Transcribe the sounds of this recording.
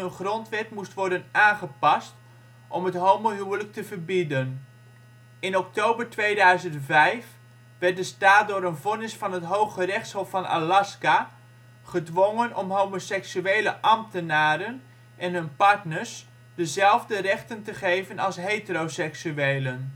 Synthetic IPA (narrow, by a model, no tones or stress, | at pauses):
ənχrɔntʋɛtmustʋɔɹdənaːnχəpɑst | ʔɔmɦətɦowmoɦywələk̚təvəɹbidən | ɪnɔk̚towbəɹtʋejdœɥzəntvɛjf | ʋɛrt̚dəstaːt̚dʊːɾənvɔnɪsfɑnɦətɦowχərɛχtshɦɔffɑna̰lɑska | χədʋɔŋənɔmɦowmosɛksyejləʔɑmtənaːɾən | ʔɛnɦɵnpɑɹtnəɹs | dəzɛlˠvdərɛχtəntəχejvənɑlˠsɦetərowsɛksyejlən